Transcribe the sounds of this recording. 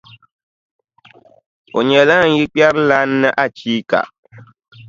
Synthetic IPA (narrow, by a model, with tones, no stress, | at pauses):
o̰˨ɲɛ˨la˦ŋ̩˦ji˦k͡pa˦ɾla˦nː˦ɨ˦ʔa˦t͡ʃiː˦ka̰˨ʔ